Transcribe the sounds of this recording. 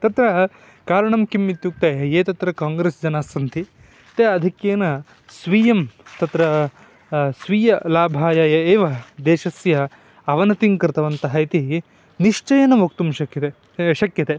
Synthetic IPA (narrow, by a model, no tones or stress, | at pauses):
t̪ɐt̪ɾɐ | kaːɾɐɳɐmkimːit̪juk̚t̪eːɐeːt̪ɐt̪ɾɐkaːŋɡɾeːsd͡ʒɐnaːsɐnt̪ʰi | t̪eɐd̪ʱikjeːnɐ | sʋijɐmt̪ɐt̪ɾɐ | sʋiːjɐlaːbʱaːjaːjɐeːʋɐd̪eːʃɐsjɐ | ɐʋɐnɐt̪iŋkɐɾt̪ɐʋɐnt̪ɐɦɐjt̪i | niʂt͡ʃɐjɐnɐʋokt̪umʃɐkɐt̪e | ʃɐkjɐt̪e